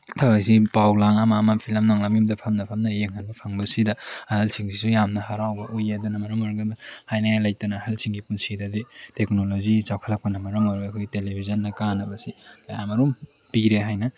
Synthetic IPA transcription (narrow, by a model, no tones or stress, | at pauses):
tʰabaksipawlaŋamaːmapʰilɐmnaŋlamimdɐpʰɐmnɐpʰɐmnɐjeŋhʰanbɐpʰaŋbɐsidɐɐhalsʰiŋsʰisujamnɐhaɾawbɐʔojadɐnɐmɐɾɐŋoɾɡabahajnaŋajlajtɐnɐːhalsiŋɡipunsidɐditek̚nolozit͡ʃawkʰalak̚pɐnɐmɐɾɐŋoɾbɐːkʰojtelebʰʱizɐnːɐkanɐbɐsikajamɐɾum | piɾeɦajnɐ